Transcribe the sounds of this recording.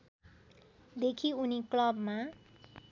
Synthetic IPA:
d̪ekʰiuniklʌbma

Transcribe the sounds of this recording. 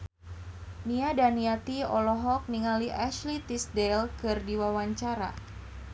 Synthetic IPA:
niadaniat̪iɔlɔɦɔk̚niŋaliʔaʃlit̪isdɛlkɨrdiwawaɲt͡ʃaɾa̰

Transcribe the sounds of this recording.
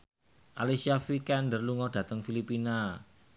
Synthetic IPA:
ʔalisiafikɛndərluŋɔd̥ä̤t̪əŋfilipina

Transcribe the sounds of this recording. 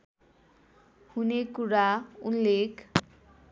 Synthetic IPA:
hunekuɽaunlek

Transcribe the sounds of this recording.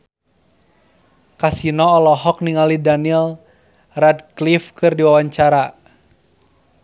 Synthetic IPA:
kasinɔːlɔɦɔk̚niŋalidanil | radklifkɨrdiwawaɲt͡ʃaɾa

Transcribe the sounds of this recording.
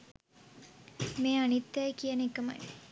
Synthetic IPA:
meːanit̪ːɐjkijɐnikːəma̰j

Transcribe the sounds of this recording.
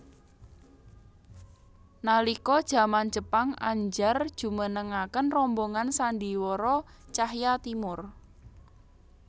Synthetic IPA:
nalikɔd̥ʒ̥a̤mand̥d͡ʒ̥ə̤paŋa̰ɲd͡ʒard̥ʒ̥ṳmənəŋakənrɔmboŋansandiwɔɾɔt͡ʃahjat̪imʊr

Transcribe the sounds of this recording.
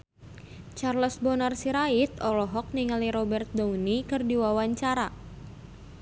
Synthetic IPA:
t͡ʃarlɔsbɔnarsiɾait̪ɔlɔɦɔk̚niŋaliɾɔbɛrt̪̚daunikɨrdiwawaɲt͡ʃaɾa

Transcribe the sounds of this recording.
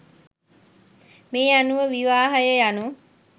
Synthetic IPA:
meːanuʋəʋiʋaːɦəjəjanu

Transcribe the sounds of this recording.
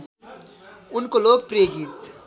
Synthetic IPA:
ʊnkoloːɡ̚pɾeːɡit̪

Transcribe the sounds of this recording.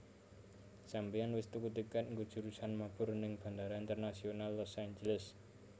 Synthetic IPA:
sampianwɪst̪ukut̪ikat̪̚ŋɡod̥ʒ̥ṳɾusanmab̥ʊ̤rnɪŋb̥a̤nd̪aɾaint̪ərnasionalːɔsaɲd͡ʒələs

